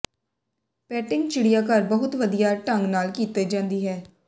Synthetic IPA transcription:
pɛːʈɪŋɡt͡ʃɪɽijaːkəɾbəɦʊt̪ʋəd̪ijaːʈəŋɡnaːlkiːt̪eːd͡ʒãːnd̪iːɦɛː

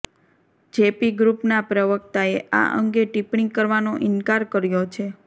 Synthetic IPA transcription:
d͡ʒepiɡɾupnapɾəʋəkt̪aea̰ʔə̰ŋɡeʈipɳɪiŋkəɾʋanoʔɪnkaɾkəɾjot͡ʃʰe

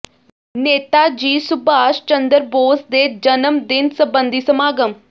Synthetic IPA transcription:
neːt̪aːd͡ʒiːsʊbaːʃt͡ʃənd̪əɾboːsd̪eːd͡ʒənəmd̪ɪnsəbənd̪iːsəmaːɡəm

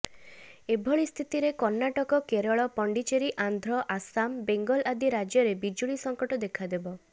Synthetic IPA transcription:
ebʱɔɭist̪ʰit̪iɾekɔɾnaʈɔkɔkeɾɔɭɔpɔɳɖit͡ʃeɾiʔand̪ʱɾɔʔasambeŋɡɔlad̪iɾad͡ʒjɔɾebid͡ʒuɭisɔŋkɔʈɔd̪ekʰad̪ebɔ

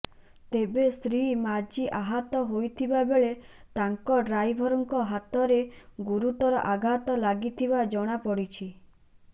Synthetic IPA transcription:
t̪ebest̪ɾimad͡ʒiʔaɦat̪ɔɦojt̪ʰibabeɭe | t̪aŋkɔɾajbʱɔɾɔŋkɔɦat̪ɔɾeɡuɾut̪ɔɾɔʔaɡʱat̪ɔlaɡit̪ʰibad͡ʒɔɽ̃apɔɽit͡ʃʰi

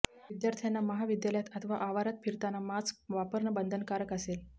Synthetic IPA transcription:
ʋid̪jaɾt̪ʰjanːaməɦaʋid̪jaljat̪ət̪ʰəʋaʔaʋaɾat̪fiɾt̪anamad͡zʋapəɾɳəbənd̪ʱənkaɾəkəsel

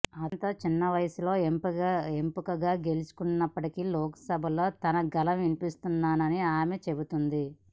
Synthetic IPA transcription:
ɐnt̪ɐːt͡ʃinːɐʋɐjɐsulo̞ːempempukɐɡaːɡe̞lusu̥kunːɐpːɐʈikilɔːkɐ̥sɐbʱɐlo̞ːt̪ɐnɐɡɐlɐmʋinipist̪unːaːnɐniaːmet͡ʃe̞but̪und̪i

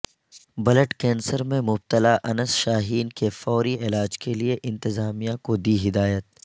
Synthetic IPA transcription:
bɐləʈkɛ̃ːnsəɾmẽmʊb̚t̪əlaʔɐnəsʃaːɦiːnkefɔːɾiɪlaːd͡ʒkelieʔɪ̃nt̪ɪzaːmijãkod̪iːɦɪd̪aːjət̪̚

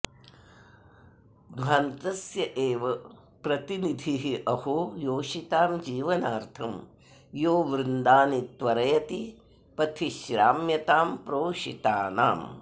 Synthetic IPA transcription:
d̪ʱʋaːnt̪ɐsjɐʔeːʋɐ | pɾɐt̪inid̪ʱiɦiʔɐhojoːʂit̪aːmd͡ʒiːʋɐnaːɾt̪ʰɐm | joːʋɾɪnd̪aːnit̪ʋɐɾɐjɐt̪i | pɐt̪ʰiʃɾaːmjɐt̪aːmpɾoːʃḭt̪aːnaːm

